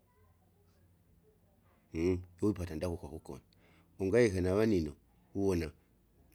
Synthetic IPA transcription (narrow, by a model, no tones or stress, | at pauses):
jowipatandakukakukɔ̰na | uŋɡajikenaβanino | uwɔna